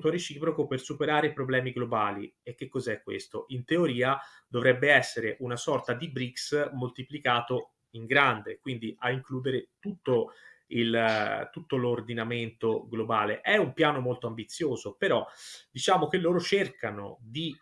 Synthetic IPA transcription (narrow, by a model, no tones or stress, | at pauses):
t̪oɾet͡ʃiːpɾokopersupeɾaːɾepɾoblɛːmiɡlobaːlḭek̟ːekːɔzɛkːwḛst̪oʔint̪eoɾiːa | d̪̥ovɾɛbːeɛsːeɾeʔunasɔrt̪ad̪ibɾiksmolt̪iplikaːt̪o | iŋɡɾand̪ekwind̪iʔaiŋkluːd̪eɾet̪ut̪ːoilt̪ut̪ːolord̪inament̪oɡlobaːleʔɛumpjaːnomolt̪oambit̪sːjoːzopeɾɔd̪it͡ʃaːmok̟elːoːɾot͡ʃerkano̰d̪i